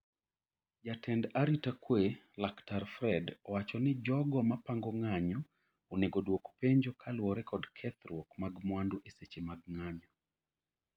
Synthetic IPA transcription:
d͡ʒatʰɛndaɾitakwe | laktaɾfɾɛdɔwat͡ʃɔnɪd͡ʒɔɡɔmapaŋɡɔŋaɲɔ | oneɡodwokpeɲd͡ʒɔkʰalwɔɾɛkɔdkʰɛt̪ɾwɔkmaɡmwandoʔeset͡ʃemaɡ̚ŋaɲɔ

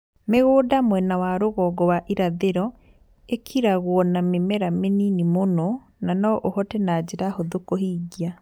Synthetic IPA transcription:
meɣoːdamwɛnawaɾoɣɔɡɔwaʔiɾaðeɾɔ | ekʰiɾaɣwɔnamemɛɾameninimonɔ | nanɔʔohɔtɛnad͡ʑeɾahoðokɔɦiɡia

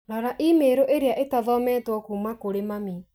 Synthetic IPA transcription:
nɔɾaʔimeɾoʔeɾeaʔetaðɔmɛtwɔkuːmakoɾemami

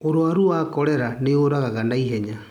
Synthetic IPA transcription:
oɾwaɾuaːkɔɾɛɾaneoɾaɣaɣandaiɦɛɲa

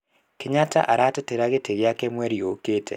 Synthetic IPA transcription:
keɲata̰ʔaɾateteɾaɣeteɣjakɛmwɛɾioketʰɛ̰

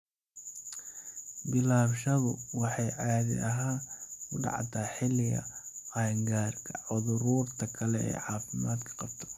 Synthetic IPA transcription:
bɪlaːbʃɐðʊwɑħɑjʕaːðɪ̰ʔɐɦaːkʰʊɖɑ̰ʕ̰t̪ʰaːħɪlɪɣɐ̰ɑːŋɡaːrkʰɐʕʊðʊɾuːrt̪ʰɐkʰɐlɛɛ̰ːjʕɑːfɪmaːd̪kʰɐ̥qɑb̥t̪ʰɐ̥

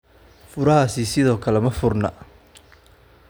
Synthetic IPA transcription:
fʊɾɐɦaːsɪsɪðɔːkʰɐlɛmɐfʊrnɐ̰

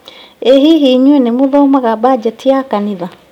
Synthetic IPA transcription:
eɦiɦiɲwenemoðaomaɣabad͡ʒɛtʰijakaniða

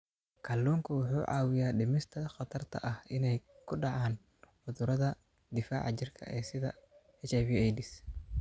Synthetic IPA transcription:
kʰɐlːuːŋkʰɐwʊħuːʕɑ̰ːwɪjaːɖɪmɪst̪ʰɐχɑt̪ʰɐrt̪ʰɐ̰ʔɐhɪnɛjkʰʊɖɑʕɑːn | ħʊðʊɾɐðɐ | d̪ɪfa̰ːʕɑt͡ʃɪrkʰɐ̰ʔɛːsɪðɐ̰hɛt͡ʃɛβiɛjd̪ɪs

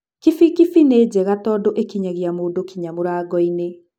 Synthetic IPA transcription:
kifikifined͡ʑɛɣatɔdoʔekiɲaɣiamoːdokiɲamoɾaːɡɔine

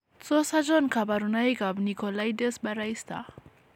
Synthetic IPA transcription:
t͡sɔsad͡ʒɔnkʰabaɾunajɡabnikʰɔlajdesbaɾajst̪a̰

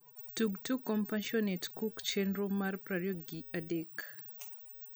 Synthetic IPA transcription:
tuɡtukɔmpãnʃɔnetkukt͡ʃɛnɾomaɾpɾaɾjoɡiadek

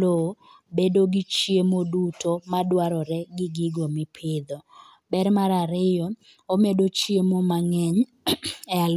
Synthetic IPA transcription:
o | bedoɡɪt͡ʃjemodutomadwaɾɔɾɛɡɪɡɪɡomɪpʰɪd̪ɔ | bɛrmaɾaɾɪjɔ | omedot͡ʃjemomaŋɛɲ | ɛal

